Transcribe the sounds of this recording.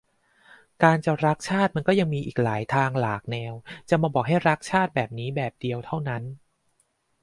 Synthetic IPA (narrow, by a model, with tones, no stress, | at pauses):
kaː˧nt͡ɕa˨˩ɾa˦˥k̚t͡ɕʰaː˥˩t̪̚ma˧nkɔː˥˩ja˧ŋmiː˧ʔiː˨˩k̚laː˩˦jt̪ʰaː˧ŋlaː˨˩k̚nɛː˧wt͡ɕa˨˩maː˧bɔː˨˩k̚ɦa˥˩jɾa˦˥k̚t͡ɕʰaː˥˩t̪̚bɛː˨˩p̚niː˦˥bɛː˨˩p̚di˧əwt̪ʰa˥˩wna˦˥n